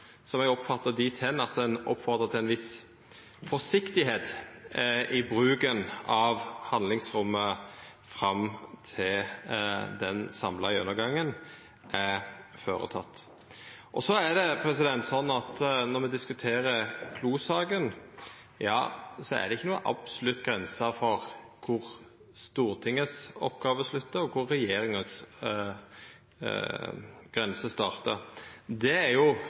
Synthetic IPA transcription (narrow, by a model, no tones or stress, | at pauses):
sɔmɛɡɔpːfɑt̪ːəd̪ɪt̪ʰɛnːɑt̪̚d̪ɛnɔ̰pfɔʁd̪ʁət̪ʰɪɛnʋɪs | fɔsɪkt̪ɪɦeːt̪ | ʔɪbɾʉːkənɑʋhɑnd̪lɪŋsɾʊmːəfɾɑmt̪ʰɪl | d̪ɛnsɑmlɑɪʉnːəɾɡɑŋːən | æføːɾə̰t̪ʰɑ̰t̪ː | ʔɔsɔæd̪ɛpʰɾɛsɪd̪ɛnt̪sɔnːɑt̪nɔɾmɛd̪ɪskʉt̪ʰeːɾəkʰluːsɑːɡən | jɑ̰ːsɔæ̰ɾd̪ɛɪçːənuːə̰nʔɑ̰b̥sɔlʉt̪ːɡɾɛnsɑfɔɾ | kʰʊɾ | st̪uːɾt̪ʰɪŋːəsɔpɡɑːʋəslʉt̪ːəɾɔkʰʊɾːɛjeːɾɪŋəns | ɡ̥ɾɛnsəst̪ɑːʁt̪əd̪ɛæɾjʊ